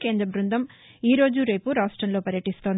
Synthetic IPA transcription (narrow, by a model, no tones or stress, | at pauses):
ke̞ːnd̪ɾɐbɾund̪ʱɐm | iːɾo̞ːd͡ʒuɾejpuɾaːʂʈɾɐnlo̞ːpɐɾjɐʈist̪o̞ːnd̪